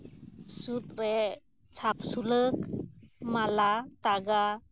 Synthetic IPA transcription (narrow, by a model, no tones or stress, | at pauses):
sut̚ɾe | t͡sʰap̚sulɯkmalat̪aɡa